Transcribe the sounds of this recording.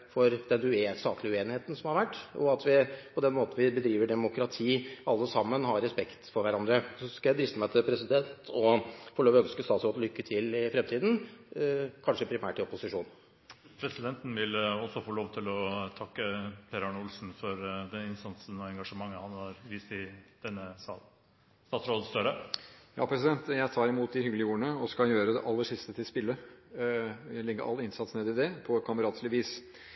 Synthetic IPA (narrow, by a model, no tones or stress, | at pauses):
fɔɾd̪ɛnʉest̪ɑːt̪ʰlɪʉeːnɪheːt̪n̩sɔmhɑɾʋæʈːɔ̰ɑt̪ʋɪpʰɔd̪ɛnmoːt̪n̩ʋɪbəd̪ɾiːʋəɖɛmʊkɾɑt̪ʰiːɑlːəsɑmːənhɑɾɛspɛkt̪fɔɾʋæɾɑnd̪ɾəsɔskɑjæd̪ɾɪst̪əmæɪt̪ʰɪpʰɾɛsɪd̪ɛnt̪ʰɔfɔɭoːʋœnskəst̪ɑːt̪sɾoːd̪ɔlʏkːət̪ʰɪlɪfɾɛmt̪ʰiːd̪n̩ | kʰɑnʂəpʰɾɪmæ̰ːʈɪɔpʊsɪʂuːn | pʰɾɛsɪd̪ɛnt̪n̩ʋɪlɔsɔfoːloːʋt̪ʰɪlɔt̪ʰɑkːəpʰeɾɑɳʊlsn̩fɔɾd̪ɛnɪnst̪ɑnsən̩ɔɛŋɡɑʂəmɑŋːəhɑnhɑɾʋiːst̪ɪd̪̥ɛnːəɑ | t̪ɑːt̪sɾoːd̪əst̪œɾəjɑ̰ːpʰɾɛsɪd̪ɛnt̪jæɪt̪ʰɑːɾɪmuːt̪̚d̪ɪhʏɡlɪəjuːəɳəɔskɑjøːɾəd̪ɛ̰ʔɑlːəʂɪst̪ət̪ʰɪlspɪlːə | lɪɡːə̰ʔɑ̰lːɪnsɑt̪sneːd̪ɪd̪ɛpʰɔkʰɑməɾɑːt̪slɪʋiːs